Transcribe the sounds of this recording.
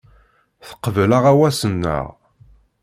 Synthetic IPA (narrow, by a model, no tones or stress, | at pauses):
θə̥qːəvələʁæwæsənːə̰ʁ